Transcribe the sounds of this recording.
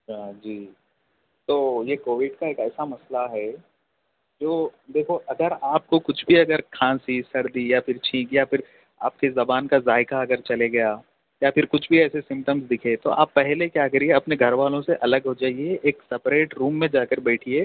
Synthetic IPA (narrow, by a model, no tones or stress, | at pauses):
ad͡ʒiː | t̪oːjekoːʋɪɖkaeːkɛːsamɐslaɦɛ | d͡ʒoːd̪eːkʰoʔɐɡəɾaːp̚kokʊt͡ʃʰbʱiɐɡəɾkʰãːsisɐɽd̪ijafɪɾt͡ʃʰĩːkjafɪɾ | a̰ːp̚kezɐbaːnkazaːɪkaɐɡəɾt͡ʃɐleɡɐjaː | jafʰɪɾkʊt͡ʃʰbʱiɛːsesɪ̃mpʈəmsd̪ɪkʰet̪o̰ʔa̰ːpːɛɦlekjaːkɐɾieɐpneɡʱɐɾʋaːlõseʔɐləɡɦod͡ʒaːieʔeːksɐpɾeːʈɾuːmːẽd͡ʒaːkəɾbɛːʈʰieː